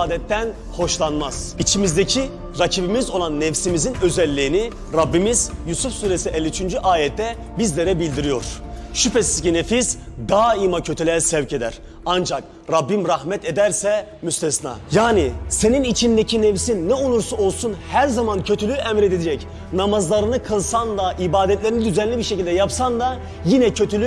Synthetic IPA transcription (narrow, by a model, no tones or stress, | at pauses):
aːd̪ɛt̪ʰːæn | ho̞ʃlˠanmaz̥it͡ʃʰimizd̪ecʰi | ɾacʰibimizo̞lˠanːɛfsimizinø̞zɛlʲːiːni | ɾabːimizjusufsuːɾesiʔɛlʲːiyt͡ʃʰynd͡ʒyʔaːjɛt̪ʰːɛ | bizlʲeɾɛbilʲd̪iɾijo̞̰ɾ̥ʃypɛsizcinefiz̥d̪aːimacʰøt̪ʰylʲɛsɛvce̞d̪æɾ | and͡ʒak | ɾabːimɾahmɛt̪ed̪æɾsɛ | myst̪ʰɛsna̰ːjaːnise̞ninit͡ʃʰind̪ecʰinefsinːɛolˠuɾsuolˠsunhæɾzamancʰøt̪ʰylʲyʔɛmɾed̪ed̪ɛd͡ʒɛc | namazlˠaɾɯnɯkʰɯlˠsand̪aʔibaːd̪ɛt̪lʲeɾinid̪yzænlʲibiɾʃecʰilʲd̪ɛjapsand̪a | jinɛcʰøt̪ʰylʲy